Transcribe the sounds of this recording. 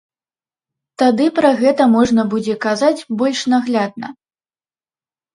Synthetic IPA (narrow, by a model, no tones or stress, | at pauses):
t̪ad̪ɨpɾɐɣɛt̪ɐmɔʐnɐbud͡zʲɛkazad͡zʲbɔlʲʂnaɣlʲad̪̚nɐ̰